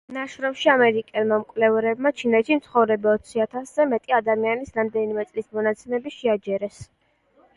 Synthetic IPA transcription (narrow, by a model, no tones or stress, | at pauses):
naʃɾɔmʃiamɛɾikʼɛlmamkʼvlɛvɾɛbmat͡ʃʰinɛt̪ʰʃimt̪sʰχɔvɾɛbaɔt̪sʰiat̪ʰaszɛmɛt̪ʼiad̪amianisɾamd̪ɛnimɛt̪sʼlismɔnat̪sʰɛmɛbiʃɛad͡ʒɛɾɛs